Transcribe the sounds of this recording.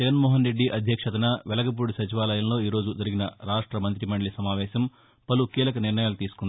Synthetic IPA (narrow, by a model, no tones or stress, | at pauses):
d͡ʒɛɡɐnmɔːɦɐnɾe̞ɖːiʔɐd̪ʱjɐkʂɐt̪ɐnɐʋɛlɐkɐp̬uːɽusɐt͡ʃiʋaːlɐjɐmlo̞ːiːɾo̞ːd͡ʒud͡ʒɐɾiɡinɐɾaːʂʈɾɐmɐnt̪ɾimɐɳɖɭisɐmaːʋɛːʃɐm | pɐlukiːlɐkɐniɾɳɐjaːlut̪iːsu̥kund̪i